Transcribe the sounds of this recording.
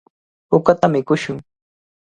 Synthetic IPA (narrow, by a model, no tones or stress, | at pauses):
ʊkat̪amɪkʊʃʊŋ